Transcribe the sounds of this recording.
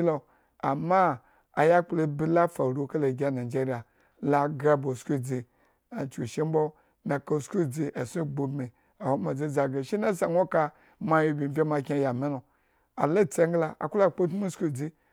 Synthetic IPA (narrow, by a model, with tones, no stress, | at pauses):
lo˨ | a˨ma˦ | a˨ja˦k͡plo˧bi˦la˦fa˨ɾu˨˦ka˦la˨ɡʲa˦na˨d͡ʒe˦ɾi˦a˨ | la˦ɡa˦bo˨skʷu˦d͡zi˧ | a˨t͡ʃu˨ʃe˦m˦bo˦ | na˨ka˧˨sku˦d͡zi˧ʔa˨su˦ɡ͡bo˨bmi˨ | a˨ho˦ma˨d͡zi˦d͡za˨ɡa˨ʃi˦na˦sa˨ŋʷo˦ka˧ | ma˦jo˦bʲi˨bʲe˦ma˧kʲe˧˦ja˨me˦no˨ | a̰˨la˦˨t͡se˦ŋ˦ɡla˨a̰˨ku˦la˨k͡po˦tu˦mu˦sku˦˨d͡zi˦